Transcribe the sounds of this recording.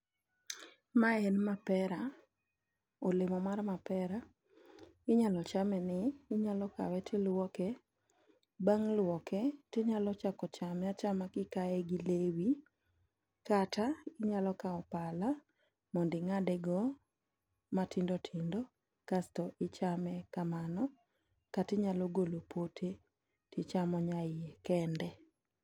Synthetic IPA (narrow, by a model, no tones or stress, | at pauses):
maɛnmapɛɾa | olɪmɔmarmapɛɾa | ɪɲalɔt͡ʃamɛnɪːɲalɔka̰wɛtʰɪlwɔkɛ | baŋlwɔkɛteɲalɔt͡ʃakɔt͡ʃamjat͡ʃamakɪkaɛɡilewi | kataɪɲalɔkaɔpala | mɔndɪŋadɛɡɔ | matɪndɔtʰɪndɔ | kastɔʔɪt͡ʃamɛkamanɔ | katɪɲalɔɡolopʰotʰe | tɪt͡ʃamɔɲaɪekɛndɛ